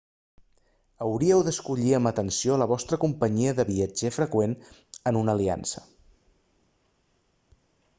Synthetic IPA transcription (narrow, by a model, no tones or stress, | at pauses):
əwɾiəwðəskuʎiəmbət̪ənsioləβɔst̪ɾəkumpəɲiəðəβiəd͡ʒefɾəkwenənunəlia̰nsə̥